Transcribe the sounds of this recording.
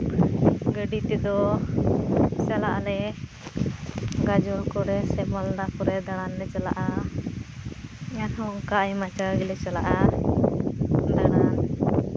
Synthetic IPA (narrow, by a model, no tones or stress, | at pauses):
ɡəɖit̪ɛd̪ɔ | salaʔlɛ | ɡad͡ʒɔlkɔɾɛsɛbald̪akɔɾɛd̪aɽanlɛt͡ʃala̰ʔa | janhɔŋkaajmat͡ʃaɾɡɛlɛt͡ʃalaʔa | d̪aɽan